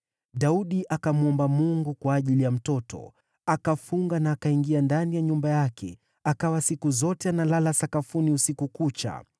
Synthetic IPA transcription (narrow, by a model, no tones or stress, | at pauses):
ɗauɗiʔakamuɔmbamuŋɡukwaːʄilijam̩tɔtʰɔ̰ | akafuŋɡanaːkaiŋɡiandanijaɲumbajakʰɛ̰ | akawasikuzɔtɛanalalasakafuniusikukut͡ʃa̰